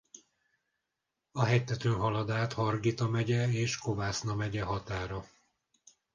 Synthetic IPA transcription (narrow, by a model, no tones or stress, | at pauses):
ɒɦɛjt̪ːɛt̪øːnɦɒlɒd̪aːt̪hɒrɡiːt̪ɒmɛɟɛeːʃkovaːsnɒmɛɟɛɦɒt̪aːɾɒ